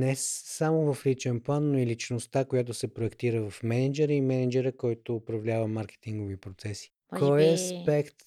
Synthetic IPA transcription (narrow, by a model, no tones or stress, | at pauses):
nɛsːamovɐflit͡ʃɛnplˠanːoilit͡ʃnost̪akojat̪̬osɛpɾoɛkt̪iɾəvɐfmɛnɛd͡ʒɛɾəimɛnɛd͡ʒɛɾəkɔjt̪oːpɾɐvlʲavəmaɾkɛ̥t̪iŋɡovipɾot̪sɛsi̥ | kɔjɛɐspɛkt̪